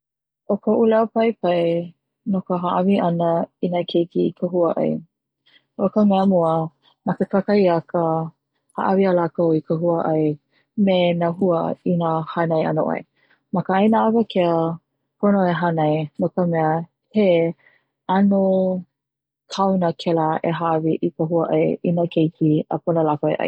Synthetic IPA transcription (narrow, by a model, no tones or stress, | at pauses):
ʔokəʔulawpɐjpɐj | nokəɦaʔaviʔɐnəinakʰekikʰəɦuəʔɐ̰j | okəmɛəmuə | mɐkəkakɐjɐkə | ha̰ʔavialakəoikʰəɦuəʔɐj | menaɦuəinahanɐja̰no̰ʔɐ̰j | mɐkəajnaavɐkʰeə | pʰonoeɦanɐjmokəmɛə | he | ano | kʰawnəkʰɛlaḛɦaviʔikəɦuəʔɐ̰jinakʰejkʰiə̰ponəlakoḛʔɐ̰j